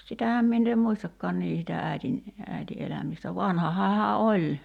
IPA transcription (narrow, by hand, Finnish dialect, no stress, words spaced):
sitæhæm minː eː muistɑkːɔɑn niː sitæ æitin æiti elæmistæ ʋɑnhɑhɑː hæ olʲ